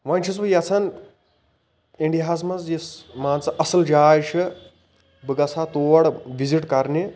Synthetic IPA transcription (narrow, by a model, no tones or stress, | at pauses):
ʋɐnʲt͡ʃʰis̬ʋɨjɐt͡sʰɐn | iɳɖiɦaːs̬mɐzd͡ʒismaːnt͡sɨʔɐsɐld͡ʒaːjt͡ʃʰɨ | bɨɡɐsaːt̪oːʋɐɽʋiziʈkɐɾni